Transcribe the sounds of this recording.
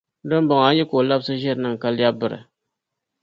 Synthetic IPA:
dɨ˦n˦bɔ˨ŋa˨˦jɛ˦ko˨la˦bsɨ˦ʒɛ˦ɾɨ˨nɨ˦ŋ˨ka˦lja˦bɨ˨ɾɨ̰˨

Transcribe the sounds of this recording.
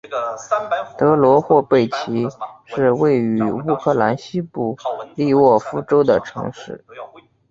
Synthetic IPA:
t̪ɤ˧˥lwɔ˧˥xwɔ˥˧pe˥˩ɪt͡ɕʰi˧˥ʂɻ̩˥˧we˥˩ɪy˧˥u˥˧kʰɤ˥˩la˧˥nɕi˥pu˥˩li˥˧wɔ˥˩fu˥ʈ͡ʂo˥ʊd̪ə˨˩ʈ͡ʂʰɤ̰˧˥ŋʂɻ̩˥˩

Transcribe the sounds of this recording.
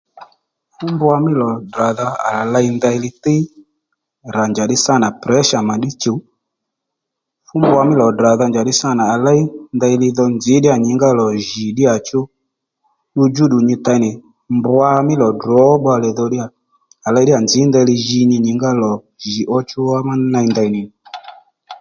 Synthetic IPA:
fʊ˦mbʊ˦a˧mɪ˦lɔ˨da˨ða˧a̰˨a˨la˧i˦nd̪a˧i˧lɪ˧˦tɪ˦ | ɾa˨nd͡ʒa˨ɗɪ˦sa˦˨na˨pɾɛ˨˦ʃa˨ma˨ɗi˦t͡ʃo˨˦ | fʊ˦mbʊ˦a˧mɪ˦lɔ˨da˨ða˧nd͡ʒa˨ɗɪ˧sa˦˨na˨a˨la˦i˦nd̪a˧i˧lɪ˧ðɔ˧nd͡zɪ˨˦ɗɪ˦a˨ɲɪ˨˦ŋɡa˦˨lɔ˨ʒi˨ɗɪ˦a˨t͡ʃʊ˦ | ɗu˧d͡ʒu˦ɗu˨ɲi˧t̪a˧i˧nɪ˨ | mbwa˧mɪ˦lɔ˨dɔ˨˦ɓa˧lɛ˨ðɔ˧ɗi˦a˨ | a˨la˧˦ɗi˦a˨nd͡zɪ˨˦nd̪ɛ˧li˧ʒi˧ɲi˧ɲɪ˨ŋɡa˦lɔ˨ | ʒi˨ʔɔ˧t͡ʃʊ˧˦a˦ma˦na˧i˧nd̪a˧i˧nɪ˨ni˨

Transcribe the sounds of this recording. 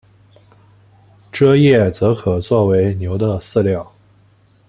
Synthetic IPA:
ʈ͡ʂɤ˥jɛ˥˩t͡sɤ˧˥kʰɤ˨˩t͡swɔ˥˩we˧˥ɪnjo˧˥ʊd̪ə˧sɹ̩˥˧ljɑ˥˩ʊ

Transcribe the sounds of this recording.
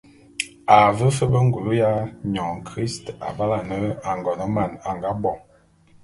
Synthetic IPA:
a˨və˦fə˦bə˦ŋ˦ɡu˨lu˦ja˦ɲɔ˨ŋkʁi˦sta̰˨ba˦la˨nə˦a˨ŋɡɔ˨nə˦ma˨na˨ŋɡa˦bɔ˨ŋ

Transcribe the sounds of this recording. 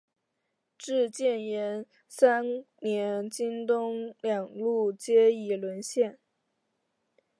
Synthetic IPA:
ʈ͡ʂɻ̩˥˧t͡ɕjɛ˥˩njɛ˧˥n | sa˥nnjɛ˧˥nt͡ɕi˥ŋt̪ʊ˥ŋljɑ˨˩ŋlu˥˩t͡ɕjɛ˥i˨˩lwə˧˥nɕjɛ˥˩n

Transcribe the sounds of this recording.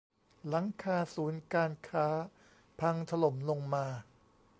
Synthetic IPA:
la˩˦ŋkʰaː˧suː˩˦nkaː˧nkʰaː˦˥ | pʰa˧ŋt̪ʰa˧lo˩˦mlo˧ŋmaː˧

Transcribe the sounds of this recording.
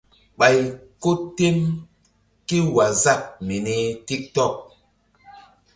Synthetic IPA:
ɓa˨jko˦tːe˦m | ki˦wa˨za˦˨k̚mi˨ne˦ti˦k̚tɔ˦˨k̚

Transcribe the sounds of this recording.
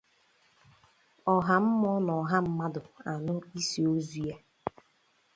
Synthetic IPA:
ɔ˨ɦa˨m̩˦mɔ˦nɔ˨ɦa˦m̩˦ma˦dʊ˨a˨nʊ˦i˦si˨o˦zu˨ja˦

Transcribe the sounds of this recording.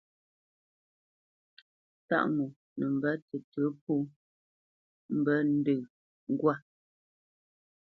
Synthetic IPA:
ta̰˦ʔmu˨ | nə˨m̩˨bə˦tə˨tə˨˦p̚u˦ | m̩˦bə˦n̩˦dɨ˦˨ | ŋ̩˦ɡwa˦˨

